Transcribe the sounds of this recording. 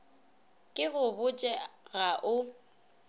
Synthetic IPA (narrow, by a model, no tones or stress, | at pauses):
kʼɪɣʊbʊt͡ʃʼɛɣaʔʊ